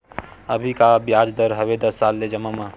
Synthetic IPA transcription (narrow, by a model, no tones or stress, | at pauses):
əbʱikabjaːd͡ʒd̪əɾɦɐʋed̪ɐsːaːlːed͡ʒɐmama